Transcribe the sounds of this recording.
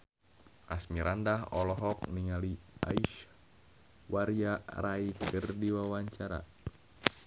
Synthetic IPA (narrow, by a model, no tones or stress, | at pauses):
ʔasmiɾandaɦɔlɔɦɔk̚niŋalia̰iʃ | waɾijaraikərdiwawaɲt͡ʃaɾa̰